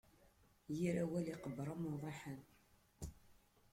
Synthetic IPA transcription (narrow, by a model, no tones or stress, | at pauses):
jiɾæwæliqəbːɾˤəmʊðˤɑħən